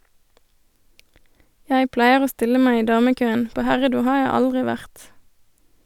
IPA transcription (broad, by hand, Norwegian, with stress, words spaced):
ˈjæɪ ˈplæɪəʁ ˈoː ˈstɪlə ˈmæɪ ˈiː ˈdɑːməˌkøːən ˈpoː ˈhæʁəˌduː ˈhɑː ˈjæɪ ˈɑldʁɪ ˈʋæʁt